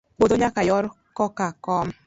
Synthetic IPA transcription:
k͡potoɲakajɔɾ | kɔkakɔm̩

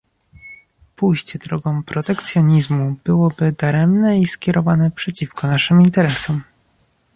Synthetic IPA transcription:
pujɕt͡ɕɛd̪ɾɔɡɔ̃w̃pɾɔt̪ɛkt̪sjɔɲizmubɘwɔbɘd̪aɾɛmnɛiskʲɛɾɔvanɛpʂɛt͡ɕifkɔnaʂɘmint̪ɛɾɛsɔm

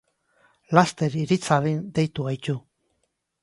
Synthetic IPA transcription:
last̪e̞ɾiɾit͡saβind̪e̞jt̪uajt͡ʃu

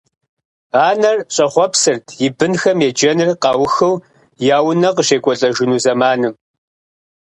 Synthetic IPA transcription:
aːnɐrɕʼɐχʷɔpsɨrtʰjɪbɨnxɐmjed͡ʒɐnɨrqɑːwxɐw | jaːwnɐqəʃeːkʷʼɔɬʼɐʒʊnuːzɐmaːnɨm

